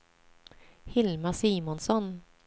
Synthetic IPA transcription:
hɪlmasiːmɔnsɔn

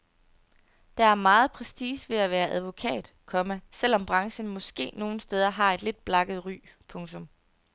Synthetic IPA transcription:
d̥ɑ̈æɐmɑ̈ːð̞̩ˠpʰʁɛsd̥iːsʋe̝æʋæːɐʔæð̞ˠʋo̝kʰɛ̰ːd̥kʰɒ̽mæsel̰ɒ̽mb̥ʁɑ̈ŋɕənmɒ̽sɡ̥e̝̰ːno̝ːn̩sd̥eːð̞ˠɐɦɑ̈e̝d̥le̝d̥̚b̥lɑ̈ɡ̥ð̞̩ˠʁy̰ːpʰɔ̽ŋt͡sʰɔ̽m

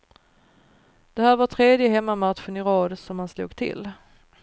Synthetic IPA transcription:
d̪̥ɛhæːɾvaʈʰɾeːd̪jəɦɛmːamat̪ɧənɪɾɑːd̪sɔmhanslṵːɡt̪ʰɪ̰lː

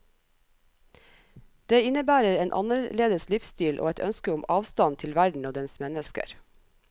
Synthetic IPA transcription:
d̪̥eːɪnəbæːɾəɾeːnʔɑ̰nəɭeːd̪əslɪfst̪iːlʔo̰ːɛt̪œ̰nskəʊmɑːʋst̪ɑnt̪ʰɪlʋæɖɳ̩oːd̪ɛnsmɛnəskə̰ɾ

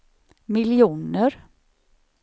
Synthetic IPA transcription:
mɪlɪuːnəɾ

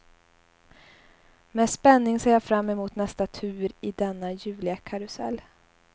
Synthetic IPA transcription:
mɛspɛnːɪŋseːjafɾamːɛmuːt̪nɛst̪at̪ʰʉ̟ːɾɪd̪ɛnːajʉ̟ːlɪakʰaɾʊsɛ̰lː

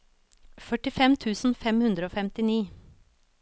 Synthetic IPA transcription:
fœʈɪfɛmt̪ʰʉːsn̩fɛmhʉnd̪ɾəoːfɛmt̪ɪniː

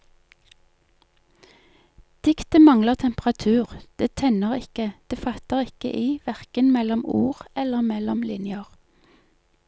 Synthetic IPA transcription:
d̪̥ɪkt̪əmɑŋləʁt̪ʰɛmpʁɑt̪ʰʉːʁd̪̥eːt̪ʰɛnəʁɪkəd̪̥eːfɑt̪əʁɪkə̰ʔiːʋæʁkənmɛlɔmuːʁɛləʁmɛlɔmlɪnjəʁ

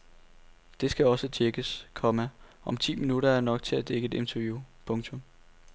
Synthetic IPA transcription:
d̥e̝sɡ̥æɒ̽sət͡ɕʰeɡ̥əskʰɒ̽mæ | ʔɒ̽mt͡sʰḭːminuɾɐæɐnɒ̽ɡ̥̚t͡sʰe̝læd̥eɡəe̝d̥e̝nt͡sʰæjupʰɔ̽ŋt͡sʰɔ̽m

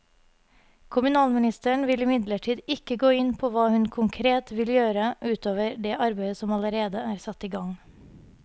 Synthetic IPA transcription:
kʰʊmʉnɑːlmɪnɪst̪əɳ̩ʋɪlɪmɪd̪ləʈʰiːd̪ɪkəɡoːɪnpʰoːʋɑːhʉnkʰʊŋkʰɾeːt̪ʋɪljøːɾəʔʉːt̪oːʋəɾɖeːʔɑɾbæɪəsɔmɑləɾeːd̪əæːɾsɑt̪iːɡɑŋ

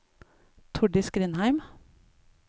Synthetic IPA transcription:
t̪ʰʊɖɪsɡɾɪnhæɪm

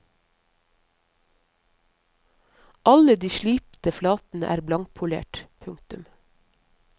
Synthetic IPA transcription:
ʔɑləd̪iːʃliːpt̪əflɑːt̪n̩ə̰ʔæ̰ːɾblɑŋ̚pʰʊlḛːʈpʰʉŋt̪ʉm

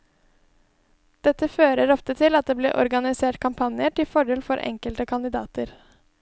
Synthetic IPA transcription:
d̪̥ɛt̪əføːɾəɾɔft̪ət̪ʰɪlɑt̪̚d̪eːblḛːʔɔ̰ɾɡɑnɪseːʈkʰɑmpʰɑnɪəʈɪfɔɖeːlfɔɾʔɛ̰ŋkəlt̪əkʰɑnd̪ɪd̪ɑ̰ːt̪əɾ

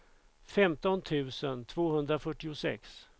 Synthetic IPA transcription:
fɛmt̪ɔnt̪ʰʉ̟ːsənt̪ʰvoːɦɵnd̪ɾafœʈːɪʊsɛ̰ks

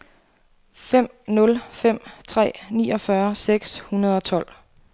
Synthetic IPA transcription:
fem̰ | nɔ̽lfem̰t͡sʰʁɛ̰ːnḭːɒ̽fɶɐseɡ̥shunɐð̞ˠɒ̽t͡sʰɒ̽l̰

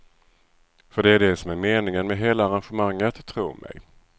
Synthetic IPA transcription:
fœɖɛæɖɛsɔmæɾmeːnɪŋənmɛɦeːlaːɾanɧəmaŋːət̪ʰːɾṵːmʔɛ̰j

